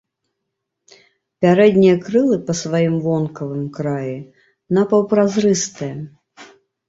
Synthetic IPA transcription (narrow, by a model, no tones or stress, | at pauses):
pʲaɾɛd̪nʲijɐkɾɨlˠɨpɐsvajimvɔnkɐvɨmkɾaji | nɐpɐwpɾazɾɨst̪ɨjɐ